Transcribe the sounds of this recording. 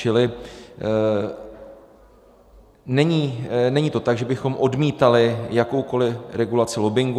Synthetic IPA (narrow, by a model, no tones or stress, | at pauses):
ɪlɪ | nɛɲiːnɛɲiːt̪o̞t̪aɡʒɛbɪxo̞mʔo̞dmiːt̪alɪjako̞wko̞lɪɾɛɡulat͡sɪlo̞bɪŋɡ